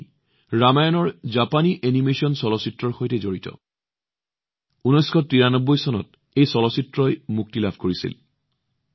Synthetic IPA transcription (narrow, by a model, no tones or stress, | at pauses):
ɹamajɔnɔɹzapaniʔenimesɔnsɔlɔsitɹɔɹxojtɛzoɹitɔ̰ | unɔjskʰɔtɹiɹanɔbːɔjsɔnɔ̰t | ejsɔlɔsitɹɔjmuk̚tilabʱkoɹisḭl